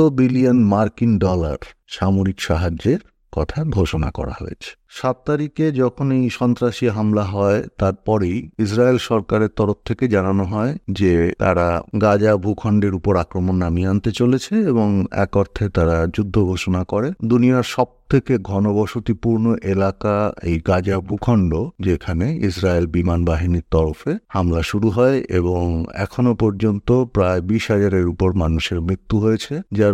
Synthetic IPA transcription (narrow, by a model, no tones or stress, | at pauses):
obilionmaɾkiŋɖɔla̰ɾʃamoɾikʃaɦad͡ʑeɾ | kɔt̪ʰaɡʱoʃona̰kɔ̰ɾa̰ɦo̰ḛt͡ɕʰe̥ | ʃat̪ːaɾiked͡ʑɔkʰonejʃɔnt̪ɾaʃiɦamlaɦɔet̪aɾpɔɾejis̬ɾaelʃɔɾkaɾeɾt̪ɔɾoft̪ʰeked͡ʑananoɦɔed͡ʑet̪a̰ɾaɡad͡ʑabʱukʰɔɳɖeɾupoɾakɾomonːamiant̪et͡ɕolet͡ɕʰeeboŋɛ̰kɔɾt̪ʰet̪aɾad͡ʑud̪ʱːoɡʱoʃonakɔɾed̪unijaɾʃɔb̚t̪ʰekeɡʱɔnobɔʃut̪ipuɾnoʔelakaḛjɡad͡ʑabʱukʰɔɳɖod͡ʑekʰaneisɾaelbimanbaɦiniɾt̪ɔɾofehamlaʃuɾuɦɔeḛboŋɛ̰kʰonopɔɾd͡ʑont̪opɾaebiʃɦad͡ʑaɾeɾupoɾmanuʃeɾmɾit̪ːuɦojet͡ɕʰed͡ʑaɾ